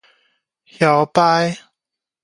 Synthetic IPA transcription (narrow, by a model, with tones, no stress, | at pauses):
hja˨˩wpaː˦˧˥j